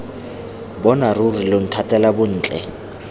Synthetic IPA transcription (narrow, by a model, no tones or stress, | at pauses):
bɔnarurilon̩tʰatʼɛlabʊn̩ːt͡ɬʼɛ̰